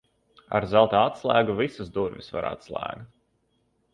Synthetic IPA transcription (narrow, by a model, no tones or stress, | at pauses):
a̰ɾzalˠt̪aːat̪slˠæːɡuvisuzd̪uɾvʲisva̰ɾa̰t̪slˠæ̰ːɡt̪